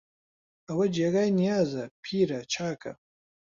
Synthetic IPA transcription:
awad͡ʒeɣajnijaːzapʰiːɾat͡ʃʰaːkʰa̰

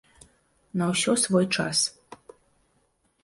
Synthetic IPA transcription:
noɕosvojʈ͡ʂʰa̰s

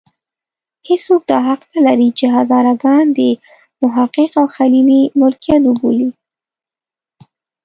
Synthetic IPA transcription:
heswok̚d̪ɑɦaqnalaɾit͡ʃeɦazɑɾaɡɑnd̪ə | mʊɦaqəqawxalilimʊlkijat̪ʊboli

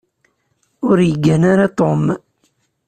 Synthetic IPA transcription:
ʊɾjəɡːænaɾat̪om

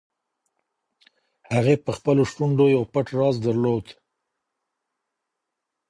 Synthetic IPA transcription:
haɣepəxpəloʃʈuɳɖojawpəʈɾɑzd̪aɾlod̪

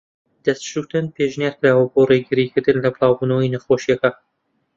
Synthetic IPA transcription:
d̪̥ɐst̪ʃut̪ɨnpʰeːʒnjaːɾklaːwoboreɡɨɾiːkʰɨɾd̪ɨnlɐbɨlˠɑːwbuːnɐwinɐxoːʃjɛkɐ

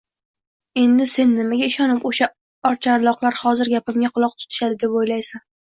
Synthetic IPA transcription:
e̞nd̪ɪse̞nːɪmaɡʲaɪʃɒnɪpoʃa | ɒɾt͡ʃʰaɾlˠɒqlˠaɾhɒzɪɾɡʲapɪmʲaqʰʊlˠɒq̚t̪ʰʊ̥t̪ʰɪ̥ʃad̪ɪd̪e̞pojlajsan

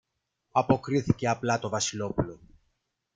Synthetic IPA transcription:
ɐpo̞kɾiθice̞ɐplɐt̪o̞vɐsilo̞pulo̞

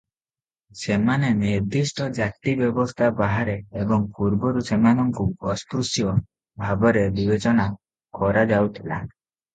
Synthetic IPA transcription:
semaneniɾd̪ʱisʈɔd͡ʒak̚t̪ibjɔbɔst̪ʰabaɦaɾeːbɔŋpuɾbɔɾusemanɔŋkuɔskɾusjɔ | bʱabɔɾebibet͡ʃɔna | kɔɾad͡ʒawt̪ʰila̰

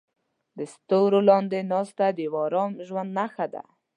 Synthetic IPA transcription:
d̪əst̪oɾolɑnd̪enɑst̪ad̪ewɑɾɑmʒwand̪naxad̪a̰

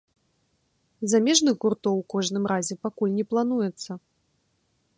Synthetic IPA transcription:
zamʲɛʐnɨxɣurt̪ɔwkɔʐnɨmɾazʲɛpakulʲnʲɛplˠan̪ujɛt̪sːɐ

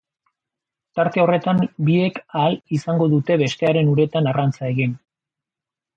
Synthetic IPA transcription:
t̪aɾt̪e̞o̞re̞t̪ambie̞kalisaŋɡo̞ðut̪e̞βe̞st̪e̞aɾe̞nuɾe̞t̪anarant͡sae̞ɣin

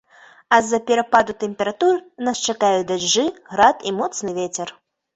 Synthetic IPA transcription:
ɐzɐpʲɛɾɐpad̪ut̪ɛmʲpʲɛɾat̪urnast͡ʂakajud̪aʐːɨɣɾat̪imɔt̪snɨvʲet͡sʲɛr

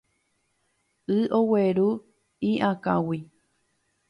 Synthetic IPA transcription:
ɨʔoweɾu | iʔãkã̰wi

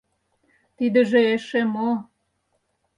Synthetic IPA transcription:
t̪id̪ə̆ʒeeʃemo

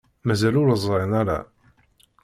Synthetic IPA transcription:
mæzælʊɾəzˤɾenæɾa̰

